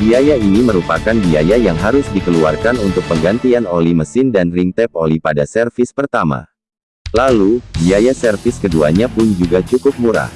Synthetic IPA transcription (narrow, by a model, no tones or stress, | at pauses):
biajainiməɾupakanbiajajaŋɦaɾʊsdikəlua̰rkanunt̪ʊk̚pəŋɡant̪ianolihməsɪndanrint̪ɛp̚olipadasɛrfɪspərt̪ama̰ | lalubiajasɛrfɪskədua̰ɲapʊnd͡ʒuɡat͡ʃukʊp̚muɾa̰h